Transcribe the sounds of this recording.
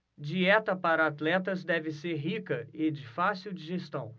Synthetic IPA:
d͡ʒiɛt̪ɐpaɾɐat̪lɛt̪ɐzd̪ɛvɪseɾɦikɐed͡ʒɪfasiwd͡ʒiʒest̪ɐ̃w̃

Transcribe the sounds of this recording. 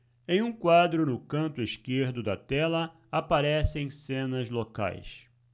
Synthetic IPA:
ẽj̃ũkwad̪ɾʊnʊkɐ̃nt̪ʊiʃkeɾd̪ʊd̪ɐt̪ɛlɐ | apaɾɛsẽj̃sẽnɐzloka̰js

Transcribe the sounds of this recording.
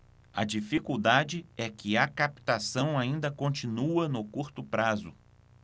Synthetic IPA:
ɐ̰d͡ʒifikuwd̪ad͡ʒɪɛkɪɐkapi̥t̪asɐ̃w̃aĩnd̪ɐkõnt͡ʃĩnuɐnʊkuɾt̪ʊpɾazʊ

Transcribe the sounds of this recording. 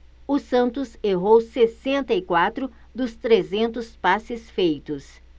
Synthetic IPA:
ʊsɐ̃nt̪ʊseɦowsesẽnt̪ɐikwat̪ɾʊ | d̪ʊst̪ɾezẽnt̪ʊspasɪsfejt̪ʊs

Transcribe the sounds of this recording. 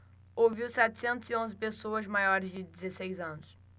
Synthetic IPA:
owviwsɛt̪ɪ̥sẽnt̪ʊziõzɪpesoɐzmajɔɾɪzd͡ʒɪd̪ɪzesejzɐ̃nʊs

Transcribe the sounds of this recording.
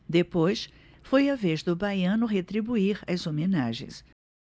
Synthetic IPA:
d̪epojs | fojɐvezd̪ʊbajɐ̃nʊɦet̪ɾibuiɾazomenaʒḛ̃j̃s

